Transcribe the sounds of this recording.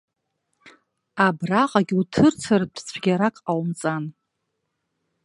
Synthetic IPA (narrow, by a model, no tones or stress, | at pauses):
abraqʼaɡʲiutʰɨrt͡sʰartʰʼt͡sʷʰɡʲaɾakʼawmt͡sʼan